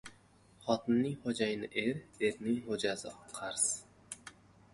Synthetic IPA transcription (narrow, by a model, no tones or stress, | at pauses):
χɒt̪ʰɪnːɪŋχod͡ʒajnɪʔeɾeɾnɪŋhod͡ʒasɪqʰɑɾs